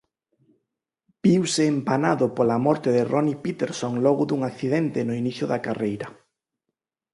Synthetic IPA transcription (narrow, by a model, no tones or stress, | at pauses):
b̥iwsɪːmpanaðʊpolamɔɾt̪ɪðɪrʔɔnipit̪eɾsoŋlɔɣʊðuŋakθiðent̪ɪnʊiniθjʊðakarejɾɐ